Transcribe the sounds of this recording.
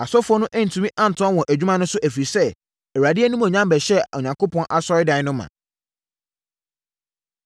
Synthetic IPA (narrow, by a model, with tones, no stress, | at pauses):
a˨sɔ˦fɔ˦nʊ̃˦ʔæ˦n̩˨tʰũ˨˦mĩ˦ʔã˦n̩˨tʰʊ̃˦a˦wɔ̃˨ʔæ˨d͡ʑᶣu˦mã˦nʊ̃˦sʊ˦ʔæ˨fi˨sɛ˦ | ɛ˨wa˨dɪ˦æ˦nũ˦mɔ̃˨ɲã˦mbæ˨ɕɛ˦ɔ˨ɲã˨ŋko˦pʰɔ̃˦nʔa˨sɔ˦ɾɪ˦dã˨˦nʊ̃˦mːã̰˨